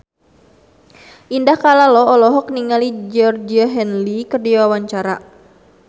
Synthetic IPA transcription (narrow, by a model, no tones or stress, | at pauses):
ʔindahkalalɔɔlɔɦɔk̚niŋalid͡ʒɔrd͡ʒiaɦɛnlikərdiwawaɲt͡ʃaɾa̰